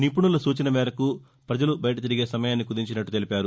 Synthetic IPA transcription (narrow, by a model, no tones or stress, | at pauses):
nip̬uɳulɐsuːt͡ʃɐnɐmɛːɾɐku | pɾɐd͡ʒɐlubɐjɐʈɐt̪̬iɾiɡe̞ːsɐmɐjaːnːikud̪iɲt͡ʃinɐʈːut̪e̞lipaːɾu